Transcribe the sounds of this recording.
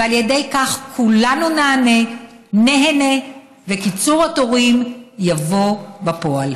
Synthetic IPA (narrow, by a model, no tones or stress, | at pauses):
vealjedejkaχkʰulanunaːne̞ | neɦene | ve̞kit͡suʁato̞ʁimjavo̞bapo̞al